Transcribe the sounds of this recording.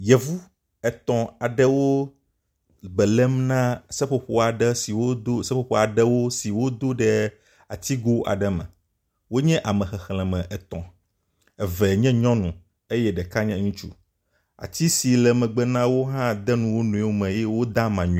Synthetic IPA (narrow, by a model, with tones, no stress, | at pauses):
jɛ˨vu˦ | ɛ˨t̪ɔ̃˨a˨ɖɛ˦wo˦ | bɛ˨lɛ˦mnã˦sɛ˦ɸo˨ɸo˦a˨ɖɛ˦si˨wo˦d̪o˦sɛ˦ɸo˦˨ɸo˦a˨ɖɛ˦wo˦si˨wo˦d̪o˦ɖɛ˦ | a̰˨t̪i˦ɡo˦ʔa̰˨ɖɛ˨mɛ̰̃˨ | wo˦ɲɛ̃˦ʔa˨mɛ̃˨xɛ˨xl̃ɛ̃˨mɛ̃˨ʔɛ˨t̪ɔ̃˨ | ɛ˨vɛ˨ɲɛ̃˦ɲɔ̃˦nũ˨ | e˦jɛ˦ɖɛ˨ka˦ɲɛ̃˦ŋũ˦t͡ʃṵ˦ | a̰˨t̪i˦si˨lɛ˨mɛ̃˨ɡ͡bɛ˦nã˦wo˦ɦã˦d̪ɛ˦nũ˨wo˦nũ˨˦o˦mɛ̃˨jɛ˦wo˦d̪ã˦mã˨ɲũ˨˦